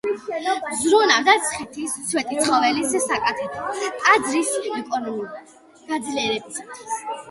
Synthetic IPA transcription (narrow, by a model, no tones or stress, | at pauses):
zɾunavd̪at̪sʰχit̪ʰist̪sʰwɛt̪ʼit̪sʰχɔvɛlissakʼat̪ʰɛt̪ʰʼad̪zɾisikʼɔnul | ɡ̥ad̪zliɛɾɛbisḁt̪ʰwis